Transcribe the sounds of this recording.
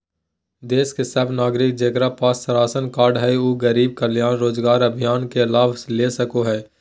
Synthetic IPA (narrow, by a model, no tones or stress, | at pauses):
d̪eːskesɐbnaːɡɾɪk̚d͡ʒeːkɾapaːsːəɾaːsənkaːɾɖɦɛuːɡəɾiːb̚kəljaːnɾoːzɡaːɾɐbʱijaːnkeɪlaːʋleːsɐkoɦɛː